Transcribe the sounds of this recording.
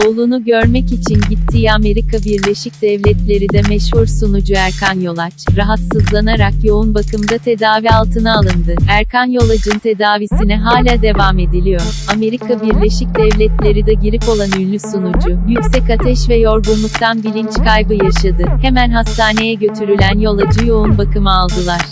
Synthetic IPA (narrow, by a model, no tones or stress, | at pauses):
olˠunuɟø̞ɾmɛcit͡ʃʰinɟit̪ʰːijame̞ɾikʰabiɾlʲe̞ʃic̚d̪̥ɛvlʲɛt̪lʲe̞ɾid̪ɛmɛʃhuɾsunud͡ʒuæɾkanjo̞lˠat͡ʃɾaɦat̪sɯzlˠanaɾakjo̞unbakɯmd̪at̪ʰe̞d̪aːvialˠt̪ʰɯnaːlˠɯnd̪ɯæɾkanjo̞lˠad͡ʒɯnt̪ʰe̞d̪aːvisinɛɦaːlʲaːd̪e̞vame̞d̪ilʲijo̞ɾame̞ɾikʰabiɾlʲe̞ʃic̚d̪ɛvlʲɛt̪lʲe̞ɾid̪ɛɟiɾipo̞lˠanylʲːysunud͡ʒʊjycsɛcat̪ʰɛʃvɛjo̞ɾɡunlˠukt̪ʰanbilʲint͡ʃkʰajbɯjaʃad̪ɯhe̞mænɦast̪aːne̞jɛɟø̞t̪ʰyɾylʲænjo̞lˠad͡ʒɯjo̞unbakɯmɯalˠd̪ɯlˠaɾ̥